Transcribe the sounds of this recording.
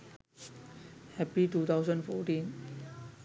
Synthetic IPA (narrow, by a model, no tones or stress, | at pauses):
hɛpit̪ʰut̪ʰaws̬ənfɔːtĩn